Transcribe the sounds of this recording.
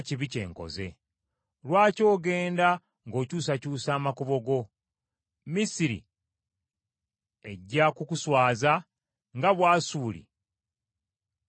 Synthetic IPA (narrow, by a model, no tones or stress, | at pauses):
ciβice̞̰ːŋko̞̰ze̞̰ | lwaːco̞ːɡe̞ːnda | ŋɡo̞ːcuːs̬acuːsaːmakuβo̞ɡo̞ | misiɾḭ | e̞ɟːakukuswaːza | ŋɡaβwaːsuːlḭ